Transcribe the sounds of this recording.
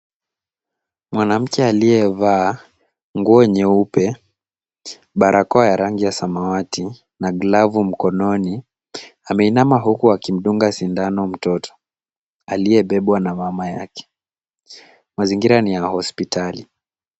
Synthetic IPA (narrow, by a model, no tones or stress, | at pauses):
mwanam̩kɛaliɛvaː | ŋɡuɔɲɛupɛ | ɓaɾʔakɔajaɾaŋɡijasamawati | naɡlavum̩kɔnɔni | amɛinamaɦukuakim̩ɗuŋɡasindanɔm̩tɔtʰɔ̥ | aliɛɓɛɓwanamamaja̰kɛ̥ | maziŋɡiɾanijahɔspitali